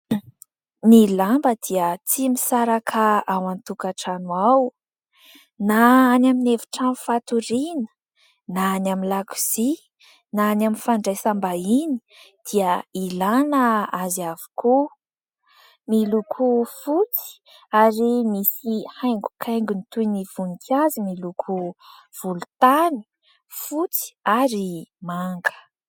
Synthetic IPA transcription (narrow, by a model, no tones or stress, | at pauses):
nilambəd̪̥iət͡simisaɾakʰaawant̪ukaʈ͡ʂanuaw | naːnaminevi̥ʈ͡ʂanufat̪uɾinə̥ | naːnaminlaku̥z̥i | nanaminfaɳɖ͡ʐajsambaini̥ | d̪̥iəilanəaziavu̥ku | milukʰufut͡si̥ | aɾimisihajŋɡu̥kʰajŋɡunit̪ujniv̥unikʰʲazimilukʰuv̥ulut̪ani̥ | fut͡si̥aɾimaŋɡə̥